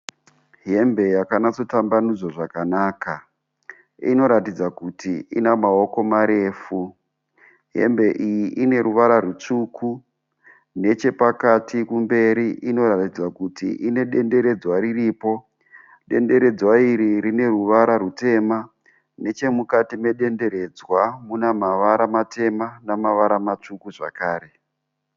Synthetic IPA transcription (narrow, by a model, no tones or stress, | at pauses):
ɦe̞mbe̞jakanat͡so̞tambanud͡zwoʐakanaːka | ḭno̞ɾatid͡zakutiḭnamao̞ko̞maɾe̞ːfu | ɦe̞̰mbe̞ʔijiʔine̞ɾuʋaɾarut͡ʂuku | ne̞t͡ʃe̞pakatikumbe̞ɾiʔino̞ɾatid͡zwakutḭʔine̞ɗe̞nde̞ɾe̞d͡zwaɾiriːpo̞ | ɗe̞̰nde̞ɾe̞d͡zwaiɾirine̞ruʋaɾaɾute̞ːma | ne̞t͡ʃe̞mukatime̞ɗe̞nde̞ɾe̞d͡zwamunamaʋaɾamate̞manamaʋaɾamat͡ʂukuʐa̰kaːɾe̞